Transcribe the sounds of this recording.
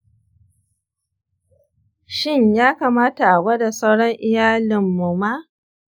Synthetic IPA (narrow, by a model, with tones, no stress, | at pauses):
ʃɪ˦ɲjaː˦kaː˨maː˦ta˨ʔa˨wɐ˦da˨sa˦wɽɔ˦ŋʔɪ˦jaː˦lɪ˨mːu˨ma˦ʔ